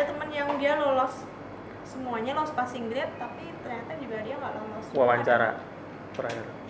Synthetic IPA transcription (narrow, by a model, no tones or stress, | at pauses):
at̪əmənjaŋdialɔlɔs | səmuaɲalɔspasɪŋɡɾɪp̪̚t̪apit̪ərɲat̪ad͡ʒubadiaŋɡaʔlɔlɔswawaɲt͡ʃaɾa̰ | pəɾajaɾan